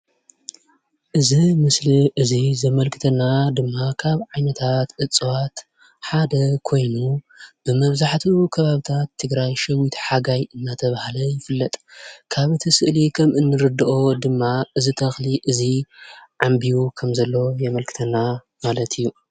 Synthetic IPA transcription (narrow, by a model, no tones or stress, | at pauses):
ʔɨzimɨsliʔɨzizɐmɐlkʰɨ̥t̪ʰɐnad̪ɨmːakʰaβʕajnɐt̪ʰat̪ʔɨt͡sʼwat̪ | ħad̪ɐkʰo̞jnu | b̥ɨmɐβzaħt̪ʰukʰɐβaβit̪ʰat̪ʰːɨɡɾajʃɐwit̪ʰħaɡajɨnːat̪ʰɐβahalɐjɪfɨlːɐt̪ʼkʰaβɨt̪ʰisɨʔlikʰɐmʔɨnːɨɾɨd̪ɨʔod̪ɨmːaʔɨzit̪ʰɐxliʔɨziʕambijukʰɐmzɐlːo̞jɛmɐlkʰɨ̥t̪ʰɐnːa | malɐt̪ʰɨjːu